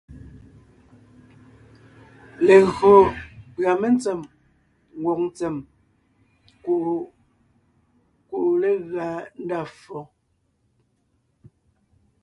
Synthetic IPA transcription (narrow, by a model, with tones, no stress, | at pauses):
le˨ɣɰo˨pɰa˨me˦n˦t͡se˨m | ŋ˨ɡwo˨k̚n̩˦t͡se˨m | ku˨ | ku˨ʔu˨le˦ɣa˨n̩˦da˦˨fɔ˨